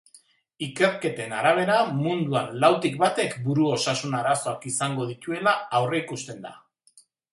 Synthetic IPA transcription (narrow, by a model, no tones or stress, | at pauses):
ike̞ɾke̞t̪e̞naɾaβ̞e̞ɾamund̪uanlawt̪ikbat̪e̞kbuɾuo̞sasunaɾaso̞akisaŋɡo̞ð̞it̪ue̞laːwre̞ikust̪e̞nd̪a̰